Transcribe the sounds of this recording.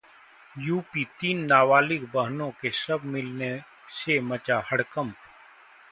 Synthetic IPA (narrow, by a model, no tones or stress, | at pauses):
juːpiːt̪iːnːaːʋaːlɪkbəɦnõkesɐbʱmɪlne | semɐt͡ʃaːhɐɽkə̃mp